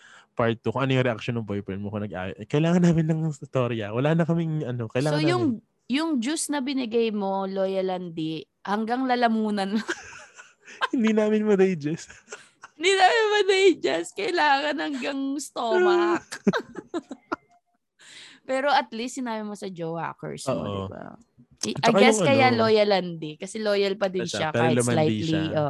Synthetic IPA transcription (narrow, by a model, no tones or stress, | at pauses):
paɹt̪ːukoŋʔɐnojʊŋɾɛʔak̚ʃonːɐŋbojpɛɹnmokonɐɡʔa̰ːjoʔkɐɪlaːŋɐnːaːmɪnːɐŋt̪oɾjɐ̰wɐlaːnɐkɐmɪŋɐnokɐjsaːojjʊŋ | jʊŋd͡ʒusnɐbɪnɪɡɐjmo̞lojɐlɐnd̪i | hɐŋɡɐŋlɐlɐmuːnɐn | hɪnd̪iːnaːmɪnmɐd̪ejd͡ʒɛs | ɪnd̪iːnaːmɪnmɐd̪ejd͡ʒɛskɐɪlaːŋɐnhɐŋɡɐŋst̪oːmɐk | pɛːɾo̞ɐt̪list̪sɪnaːbɪmosɐd͡ʒowa̰kɛ̰ɹsmo̰dɪ̰ba̰ | ʔɐjɡɛskɐjjaloːjɐlɐnd̪ɪkɐsɛloːjɐlpɐd̪ɪnʃakalɐslajt̪liʔoːʔ